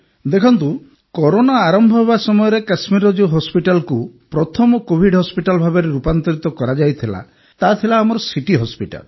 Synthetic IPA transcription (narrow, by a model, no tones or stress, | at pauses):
d̪ekʰɔnt̪u | kɔɾonaːɾɔmbʱɔɦebasɔmɔjɔɾekasmiɾɔd͡ʒuɦɔspiʈalkupɾɔt̪ʰɔmɔkobʱiɖɦɔspiʈalɔbʱabeɾeɾupant̪ɔɾit̪ɔkɔɾad͡ʒajt̪ʰila̰ | t̪at̪ʰilaːmɔɾɔsiʈiɦɔspiʈa̰l